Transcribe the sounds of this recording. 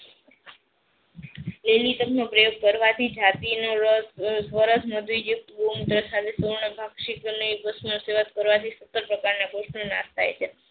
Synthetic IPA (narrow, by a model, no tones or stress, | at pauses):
lelit̪əknopɾəjoɡ̚kəɾʋat̪ʰid͡ʒat̪inoɾəssʋəɾəsməd̪ʱʋijuk̚t̪bumd̪ɾəsad̪esoɾɳəbʱaɡʃiknoipəsmnseʋət̪kəɾʋat̪ʰisət̪ːəɾpɾəkaɾnakoʃnona̰st̪ʰajt͡ʃʰe